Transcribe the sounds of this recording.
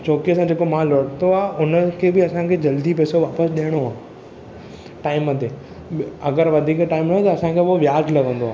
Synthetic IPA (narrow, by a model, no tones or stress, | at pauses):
t͡ɕoːkesãːd͡ʑeːkomãlɔːɽt̪oaːɦʔʊnəkʰeːbɪɐsãkʰeːd͡ʑɐld̪ipɛːsoʋaːpəsɗijəɽ̃oaː | ʈaːɪmət̪eː | ɐɡəɾʋɐd̪ʱiːkʈaːɪmnɐõt̪ɐɐsãkʰeːoʋɪjaːd͡ʒlɐɡʱə̃n̆d̪oaː